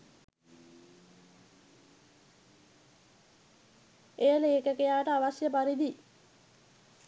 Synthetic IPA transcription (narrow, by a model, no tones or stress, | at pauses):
ejəleːkəkejaːʋəʈəaʋasjəpaɾid̪i